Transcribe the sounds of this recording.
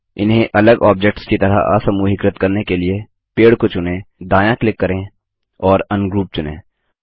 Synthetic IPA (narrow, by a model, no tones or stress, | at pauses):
ɪ̰nɦẽʔɐləɡɔːbd͡ʒek̚ʈskit̪ɐɾa̰a̰ːsɐmuɦɪkɾət̪kɐɾnekelie | peːɽkot͡ʃʊnẽːd̪aːjãklɪkːɐɾẽː | ɔːɾɐnɡɾuːp̚t͡ʃʊnḛ̃ː